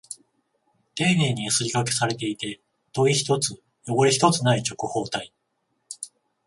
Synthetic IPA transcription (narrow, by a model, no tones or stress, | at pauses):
t̪e̞ːneːɲ̟iasɨɾʲikake̞̥saɾe̞t̪e̞it̪e̞ | t̪o̞içi̥t̪o̞t͡sɨ | jo̞ɡo̞ɾʲiçi̥t̪o̞t͡sɨnait͡ɕo̞kɯ̟ho̞ːt̪ai